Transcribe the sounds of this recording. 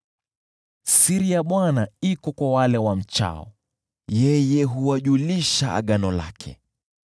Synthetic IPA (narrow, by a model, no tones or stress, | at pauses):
siɾijaɓwanaikɔkwawalɛwam̩t͡ʃa̰ɔ̰ | jɛjɛɦuwaʄuliʃaa̰ɠanɔla̰kʰɛ̰